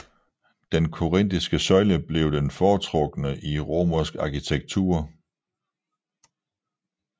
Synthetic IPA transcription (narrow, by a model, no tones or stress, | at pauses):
d̥enkʰo̝ʁen̰d̥isɡ̥əsɒ̽ɪləb̥le̝ʊd̥enfɒːt͡sʰʁɔ̽ɡ̥ənəʔiʁo̝ːmɐsɡ̥ɑ̈kit͡sʰeɡ̥̚t͡sʰṵːɐ